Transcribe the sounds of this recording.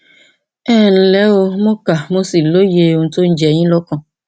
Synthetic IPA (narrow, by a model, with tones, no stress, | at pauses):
ɛ˦˨ñ̩˨lɛ˨˦wo˧mõ˦ka˨mo˦si˨lo˦je˨o˨ŋ̩˨to˦n̩˦d͡ʒɛ˨ɲĩ˦lɔ˦kɔ̃˧˨